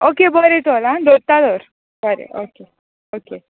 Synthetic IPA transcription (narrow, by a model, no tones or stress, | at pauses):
okebəɾet̪ʰɔlãd̪oɾt̪ad̪ɔɾ | bəɾḛʔoke | oke